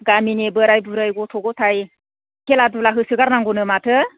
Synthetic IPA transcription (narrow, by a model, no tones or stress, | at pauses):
ɡaminebɯɾajbuɾajɡɔtʰɔɡɔtʰaj | kʰeladulaɦɯsɯɡaɾnaŋɡɔnɯmatʰɯ